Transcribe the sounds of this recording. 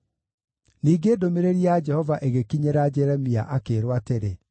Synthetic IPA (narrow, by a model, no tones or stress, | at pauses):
niːɡeːdomeɾeɾiad͡ʒɛhɔvaʔeɣekiɲeɾad͡ʒɛɾɛmia̰ʔakeːɾwateɾe